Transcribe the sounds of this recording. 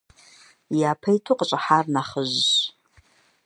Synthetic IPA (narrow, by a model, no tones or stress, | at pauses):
japʰejtʰuqʼt͡ʃʷʼaħarnaχəʒʷː